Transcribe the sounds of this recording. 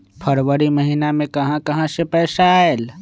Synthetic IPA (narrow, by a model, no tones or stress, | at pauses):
pʰəɾwəɾiməɦinamẽkɐɦãkɐɦãsepɛːsael